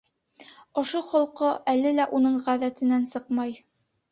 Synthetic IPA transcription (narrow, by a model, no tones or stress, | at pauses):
ŏʃoχŏlˠqoʔælɘlæʔunɤɴʁæðæt̪ɘ̆nænsɤqmɑj